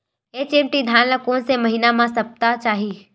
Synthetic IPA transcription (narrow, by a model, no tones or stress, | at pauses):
eːt͡ʃẽːmʈid̪ʱjaːnlakoːnsemɐɦinamãsɐp̚t̪at͡ʃaːɦi